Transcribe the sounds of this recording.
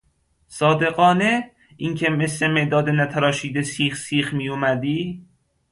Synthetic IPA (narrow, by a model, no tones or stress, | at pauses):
sɒːd̪e̞ɣɒːne | iŋcʰemeslemeʔd̪ɒːd̪enæt̪ʰæɾɒːʃiːd̪esiːxsiːxmijomæd̪iː